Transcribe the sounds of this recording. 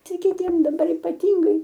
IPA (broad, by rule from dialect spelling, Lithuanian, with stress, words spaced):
ˈtɐɪ kʲɪˈtʲiɛm dɐˈbɐr iːpɐˈtʲɪŋɡɐɪ